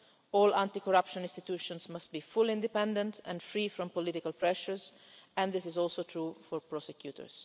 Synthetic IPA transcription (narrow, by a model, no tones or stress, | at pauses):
ɔːlãnt̪ikɔɹapʃɔ̃nɪ̃nst̪it̪uːʃɔ̃nsmast̪̚bifuliɪ̃nd̪ipɛ̃nd̪ɛ̃nt̪ʰɛ̰̃nfɹiːfɾɔ̃mpɔlit̪ikalpɹɛʃəɹs | ɛ̃nd̪ɪsɪzɔlsot̪ɹufɔɹpɹɔsɛkjuːt̪ə̰ɹs